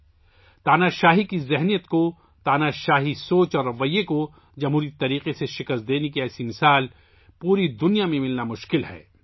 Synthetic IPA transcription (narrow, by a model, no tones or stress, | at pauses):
t̪aːnaʃaːɦikizɛɦnijət̪ko | t̪aːnaʃaːɦisoːt͡ʃɔːɾːɐʋəjːeko | d͡ʒɐmɦuːɾit̪ɐɾiːqeseʃɪkəst̪̚d̪eːnekiɛːsimɪsaːl | puːɾid̪ʊnijamẽmɪlnamʊʃkɪlhɛ̰ː